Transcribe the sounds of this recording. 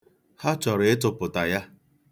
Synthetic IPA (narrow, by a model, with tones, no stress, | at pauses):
ha˦t͡ʃɔ˨ɾe˦tʊ˨pʊ˨ta˨ja˦